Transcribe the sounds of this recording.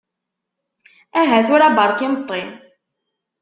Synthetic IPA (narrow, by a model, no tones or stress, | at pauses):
æɦæθʊɾæbɑɾˤkɪmət̪ˤːen